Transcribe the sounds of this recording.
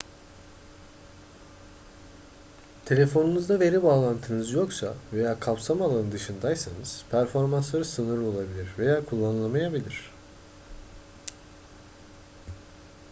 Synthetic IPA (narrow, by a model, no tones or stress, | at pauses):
t̪ʰe̞lʲe̞fo̞nunuzd̪ave̞ɾibaːlˠant̪ʰɯnɯzjo̞ksa̰ve̞jaːkʰapsamalˠanɯnd̪ɯʃɯnd̪ajsanɯz̥pʰæɾfo̞ɾmanslˠaɾɯsɯnɯɾo̞lˠabilʲiɾve̞jaːkʰulˠːanɯlˠamajabilʲiɾ̝̥